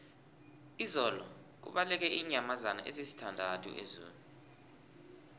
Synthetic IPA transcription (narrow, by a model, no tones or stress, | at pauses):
izɔlɔ | k̬ṵɓalɛk̬ɛʔiːɲamazana̰ʔḛzisi̥tʰandʱatʼʰṵʔḛzṵːlu